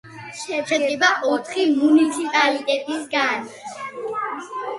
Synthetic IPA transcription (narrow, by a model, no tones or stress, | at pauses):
ʃɛt͡ʃʰɛɛbaʔɔt̪ʰχimunit̪sʰipʼalit̪ʼɛt̪ʼisɡan